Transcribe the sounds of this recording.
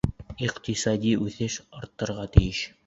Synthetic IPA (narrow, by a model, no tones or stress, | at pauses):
iqt̪isɑd̪ʲiʉθɘʃɑɾt̪ːɤ̆ɾʁɑt̪ɘ̆jɘʃ